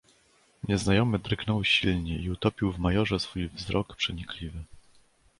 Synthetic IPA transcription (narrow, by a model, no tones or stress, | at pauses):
ɲɛznajɔmɘd̪ɾɘknɔwɕilɲɛʔiut̪ɔpʲiwvmajɔʐɛsfujvzɾʔɔkpʂɛɲiklʲivɘ